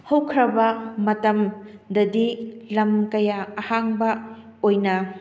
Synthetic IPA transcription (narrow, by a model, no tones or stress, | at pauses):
hɐwkʰɾɐbɐmɐtɐmdɐdilɐmkɐjaɐhaŋbɐ | ojnɐ